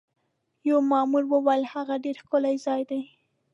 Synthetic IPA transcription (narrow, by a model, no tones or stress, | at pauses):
jawmɑmuɾwəwajɪlhaɣaɖeɾxkʊlajzɑjd̪aj